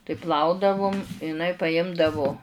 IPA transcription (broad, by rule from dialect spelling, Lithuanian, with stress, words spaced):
tɐɪ ˈplˠɐʊdɐʋʊm ɪˈnɐɪ pɐˈjɪmdɐʋʊ